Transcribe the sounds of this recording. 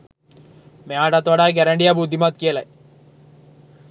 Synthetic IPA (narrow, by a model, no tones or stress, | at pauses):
meaːʈat̪ʋaɽaːɡɛɾɐɳɖijabud̪ʱːimat̪kiəlɛ